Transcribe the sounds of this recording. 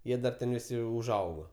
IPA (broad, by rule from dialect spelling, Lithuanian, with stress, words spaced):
ˈjiɛ dɐr ˈtʲɛn ʋʲɪˈsʲɪ ʊʒˈɐʊɡoː